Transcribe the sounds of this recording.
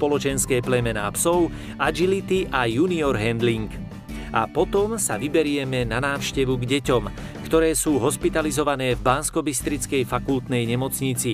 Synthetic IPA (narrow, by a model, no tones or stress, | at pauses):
pɔlɔt͡ʃɛnskɛːplɛmɛnaːpsɔʊ | ad͡ʒilit̪iʔajuːniɔɾɦɛnd̪liŋk | ʔa̰pɔt̪ɔmsaʋibɛɾɪɛmɛnanaːʊʃcɛʋuɡɟɛcɔm | kt̪ɔɾɛːsuːɦɔspit̪alizɔʋanɛːvbanskɔbist̪ɾit͡skɛjfakult̪nɛjɲɛmɔt͡sɲit͡si